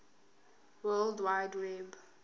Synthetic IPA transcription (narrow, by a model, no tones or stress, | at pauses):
wɛldwajdwɛb